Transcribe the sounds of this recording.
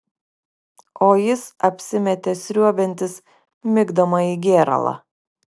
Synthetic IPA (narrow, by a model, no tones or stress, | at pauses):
oːjɪsɐpʲsʲɪmʲɛt̪ʲeːsʲɾʲuɔbʲɛnʲt̪ʲɪs | mʲɪɡd̪ɐmɐiːɡʲeːɾɐ̰lˠɑ̰ː